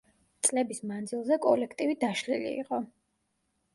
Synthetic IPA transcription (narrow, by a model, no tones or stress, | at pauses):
t̪sʼlɛbismand̪zilˠzɛkʼɔlɛkʰt̪ʼivid̪aʃlḭlḭḭqʼɔ